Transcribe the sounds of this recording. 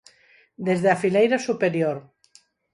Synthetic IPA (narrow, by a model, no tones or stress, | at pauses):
d̪ezðeafilejɾasupeɾjoɾ